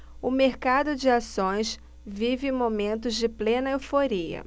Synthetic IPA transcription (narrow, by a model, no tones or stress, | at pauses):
ʊmeɾkad̪ʊd͡ʒɪasõj̃s | vivɪ̃momẽnt̪̬ʊzd͡ʒɪplẽnɐewfoɾiɐ̰